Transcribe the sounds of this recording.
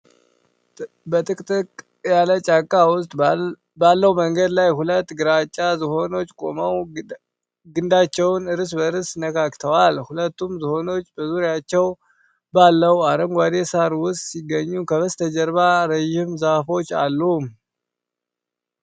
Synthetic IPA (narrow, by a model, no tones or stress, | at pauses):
bət̪ʼɨkʼt̪ʼɨkʼ | jalət͡ʃʼakʼːawʊst̪ʼ | balːəwməŋɡəd̪lajhulət̪ːɡɨɾat͡ʃʼːazɨho̞no̞t͡ʃːkʼo̞məw | ɡɨnd̪at͡ʃːɛwnɨɾɨs̬bəɨɾɨsnəkʰakt̪ʰəwalhulət̪ːumzɨho̞no̞t͡ʃːbəzuɾjat͡ʃːɛw | balːəwaɾəŋɡʷad̪e̞saɾwʊst̪ʼsiɡːəɲːukʰəβəst̪ʰəd͡ʒəɾβaɾəʒɪmzafo̞t͡ʃːa̰lːum